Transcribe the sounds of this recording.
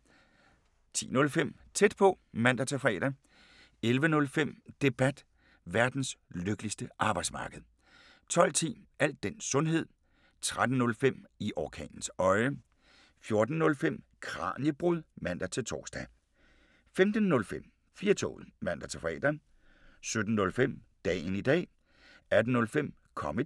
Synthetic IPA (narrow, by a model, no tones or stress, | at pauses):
t͡sʰḭːnɔ̽lfem̰ | t͡sʰed̥̚pʰɒ̽mæn̰d̥æt͡sʰefʁɛ̰ːd̥ɐ | elʋənɔ̽lfem̰d̥e̝b̥æd̥ | ʋæɐd̥n̩sløɡ̥əlisd̥əʔɑ̈ːb̥ɑ̈ɪd̥smɑ̈ːɡ̥əð̩ˠ | t͡sʰɒ̽l̰t͡sʰḭːʔæl̰d̥̚ːen̰ssɔ̽nɦe̝ð̞̰ˠ | t͡sʰʁad̥n̩nɔ̽lfem̰iʔɒkʰɛ̰ːnn̩sɒ̽ɪə | fjo̝ɐd̥n̩nɔ̽lfem̰ | kʰʁɑ̰̈ːnjəb̥ʁuð̰ˠmæn̰d̥ɐt͡sʰe̝lt͡sʰɒ̰ːsd̥ɛ | femd̥n̩ːɔ̽lfem̰ | fiːɐt͡sʰo̰ːð̩ˠmæn̰d̥æt͡sʰefɛ̰ːd̥ɐn | sød̥n̩ːɔ̽lfem̰ | d̥ɛ̰ːnid̥ɛ̰ː | æd̥n̩ɔ̽lfem̰ | kʰɒ̽mə